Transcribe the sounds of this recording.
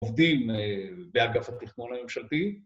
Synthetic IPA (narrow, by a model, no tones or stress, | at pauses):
vd̪imebeaɡafhat̪iχnonamemʃalt̪i